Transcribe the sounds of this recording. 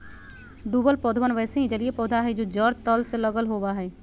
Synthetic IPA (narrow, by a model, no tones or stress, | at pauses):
ɖuːbəlpɔːd̪ʱʋənʋɛːseɦĩd͡ʒɐliepɔːd̪ʱaɦɛd͡ʒoːd͡ʒəɾt̪əlseləɡəlɦoːbaɦɛː